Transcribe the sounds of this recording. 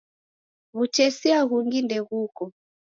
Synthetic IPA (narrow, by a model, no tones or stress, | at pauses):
βut͡ʃɛsiaɣuŋɡindɛɣukɔ